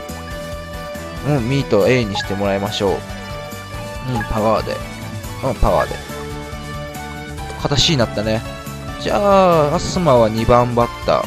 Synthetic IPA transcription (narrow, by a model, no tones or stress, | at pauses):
ɯ̟̃ɴmʲiːt̪oe̞ːɲ̟ːiɕi̥t̪e̞mo̞ɾaimaɕo̞̰ː | ɯ̟̃ɴpaβaːd̪e̞̰ | ɯ̟̃ɴpaβa̰ːd̪e̞̰ | kʰat̪aɕiːnat̪ːane̞ | d͡ʑaːasɨmaβaɲ̟ibãmbat̪ːa̰